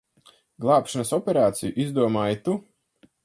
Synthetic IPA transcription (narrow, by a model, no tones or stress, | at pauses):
ɡlˠɑːpʃanɐsɔpʲeɾaːt̪sijuʔizd̪uɔmaːjit̪u